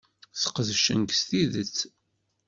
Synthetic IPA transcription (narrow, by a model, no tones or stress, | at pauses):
θə̥qəðʃə̰nɡst̪iðət͡sː